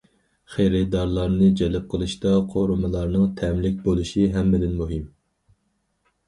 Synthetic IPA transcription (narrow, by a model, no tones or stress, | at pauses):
χeɾɛd̪ɑɾlˠɑɾnɨd͡ʒɛlɪp̚qʰəlˠɨʃt̪ɑqʰoɾumɨlˠɑɾnɨŋt̪ʰɛmlɪk̚ʲbolˠɨʃiɦɛmːɪd̪ɪnmuɦɪm